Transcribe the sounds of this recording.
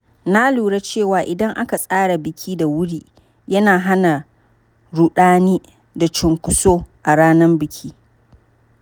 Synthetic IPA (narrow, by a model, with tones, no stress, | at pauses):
na˦luː˨ɽe˦t͡ʃeː˦˨waː˨ʔɪ˨dɐ˦ŋʔa˦ka˨sʼaː˦ɽa˨bɪ˨kʲʰiː˦da˨wʊ˦ɽiː˦ | jɐ˦naː˨ɦa˦na˨ | ɽu˦ɗaː˦niː˦ | da˨t͡ʃɪ˨ŋkʷʊ˦soː˦ʔa˨ɽaː˦nɐ˦mbɪ˨kʲʰiː˦